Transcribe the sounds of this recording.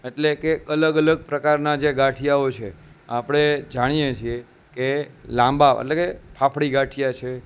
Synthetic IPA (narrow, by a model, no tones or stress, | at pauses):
eʈlekeələɡələɡ̚pɾəkaɾnad͡ʒeɡaʈʰijaot͡ʃʰeapɽ̃ed͡ʒaɽ̃ijet͡ʃʰie | kelãmbaə̰ʈlekepʰapʰɽiɡaʈʰijat͡ʃʰe